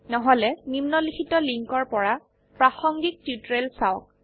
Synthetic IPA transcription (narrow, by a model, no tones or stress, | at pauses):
nɔɦɔlɛnimnɔlikʰitɔliŋkɔɹpɔɹa | pɹaxɔŋɡik̚tutɹelsawk̚